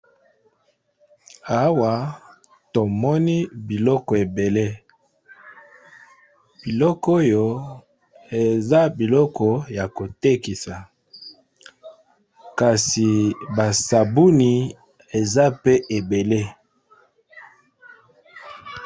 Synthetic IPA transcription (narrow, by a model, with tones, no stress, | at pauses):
a˦wa˨ | to˨mɔ˦ni˦bi˨lɔ˦kɔ˨e˨be˨le˦ | b̥i˨lɔ˦ko˦jo˨ | e˨za˦bi˨lɔ˦kɔ˨ja˨ko˨te˦ki˨sa˨ | ka˨si˨ba˨sa˨bu˦ni˨ | e˨za˦pe˦ʔe˨be˨le˦